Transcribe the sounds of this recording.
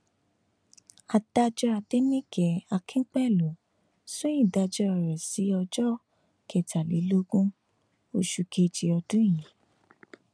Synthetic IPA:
a˧d̥a˧d͡ʒɔ˧a˧de˦nĩ˦ɡɛ˨a˧kʰĩ˦k͡pɛ˦˨lũ˨˦ | so˦jĩ˦˨da˧d͡ʒɔ˧˦ɔ˧˨ɾɛ˨si˨˦ɔ˧d͡ʒɔ˦ | kɛ˨ta˨li˨˦lo˦ɡũ˦ | o˧ʃu˧ke˧d͡ʒi˧ɔ˧dũ˦jĩ˨˦

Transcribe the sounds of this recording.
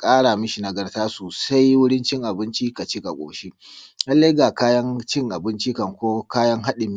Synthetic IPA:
kʼaː˦ɽa˨mʊ˦ʃi˨na˨ɡɐ˦rtaː˦soː˨sa˦jwʊ˦ɽɪ˦nt͡ʃɪ˦ŋʔa˨bɪ˦nt͡ʃi˦ka˨t͡ʃi˦ka˨kʷʼo̰ː˨ʃi˦lɐ˦lːa˦ɡaː˨kaː˦jɐ˦ŋt͡ʃɪ˦ŋʔa˨bɪ˦nt͡ʃi˦kɐ˨ŋkʷoː˦kaː˦jɐ˦ŋɦa˦ɗɪ˨mː˦

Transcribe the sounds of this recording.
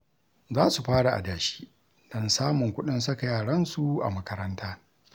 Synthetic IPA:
zaː˦su˨ɸaː˦ɽa˨ʔa̰˨daː˨ʃi̥ː˦ | dɐ˦nsaː˦mʊ˨ŋkʷʊ˦ɗɪ˦ns̬ɐ˦ka˨jaː˨ɽɐ˦nsu˨ʔa̰˨mɐ˦kɐ˦ɾɐ˦ntaː˦

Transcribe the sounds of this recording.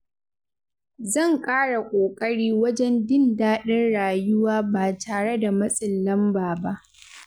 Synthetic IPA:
zɐ˦˨ŋkʼaː˦ɽa˨kʷʼoː˨kʼɐ˦ɽiː˦wɐ˦d͡ʒɛ˦ndɪ˦ndaː˦ɗɐ˦nɽaː˨jʊ˦waː˦baː˨tʰaː˨ɽe˦da˨mɐ˦sʼɪ˨lːɐ˦mbaː˨ba˦ʔ

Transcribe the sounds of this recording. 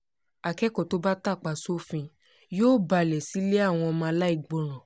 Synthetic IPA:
a˨kɛ˦kɔ˨to˦ba˦ta˦˨k͡pa˨so˦fĩ˧ | joː˦ba˧˨lɛ˨si˨˦le˦a˦˨w̃ɔ̃˧ɔ˧mãː˧la˦i˦˧˨ɡ͡bo˨ɾ̃ɔ̃˨

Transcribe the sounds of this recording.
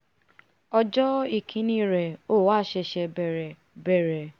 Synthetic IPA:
ɔ˧d͡ʒɔ˦i˨kʰĩ˧˦nĩ˧˦ɾɛ˨o˦˨waː˦˨ʃɛ˧ʃɛ˧bɛ˨ɾɛ˨ | bɛ˨ɾɛ˨

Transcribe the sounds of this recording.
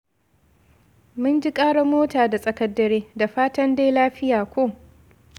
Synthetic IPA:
mʊ˦nd͡ʒi˦kʼaː˦ɽa˨moː˦taː˨da˨sʼɐ˨kɐ˦dːɐ˦ɾeː˦da˨ɸaː˦tɐ˦ndeː˦jlaː˦ɸɪ˦jaː˨kʷoː˦˨

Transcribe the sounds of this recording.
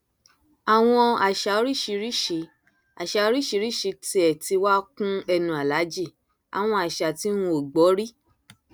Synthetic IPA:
a˨w̃ɔ̃˧a˨ʃa˨o˦ɾi˦˨ʃi˧ɾi˦ʃi˨˧˦ | a˨ʃa˨o˦ɾi˦˨ʃi˧˦ɾi˦˨ʃi˨˧ti˧ɛ˨ti˧wa˦kũ˦ɛ˧nũ˨a˨la˨˦d͡ʒi˦˨ | a̰˨w̃ɔ̃˧a˨ʃa˨ti˦ũ˧o˨ɡ͡bɔ˨˦ɾi˦

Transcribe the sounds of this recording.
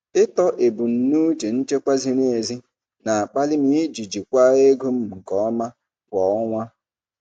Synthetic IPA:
ɪ˦tɔ˦ʔe˨bu˨n̩˨nu˦d͡ʒe˨n̩˦t͡ʃe˦kʷa˦zi˦ne˨zi˦ | na˨a˨k͡pa˦lɪ˦mi˦d͡ʒi˨d͡ʒi˨kʷa˦e˦ɡo˦m̩˦m̩˨kɔ˦ɔ˦ma˦ | kʷɔ˨ɔ˦ŋʷa˦

